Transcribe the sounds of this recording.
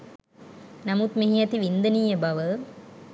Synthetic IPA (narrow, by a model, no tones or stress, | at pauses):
namut̪miɦiɛt̪iʋind̪ənijəbaʋə